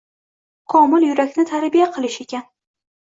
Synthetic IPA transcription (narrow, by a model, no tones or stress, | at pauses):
qʰɒmɪlˠjʊɾakʲnɪt̪ʰaɾbijaqʰɨlˠɪʃe̞kʲan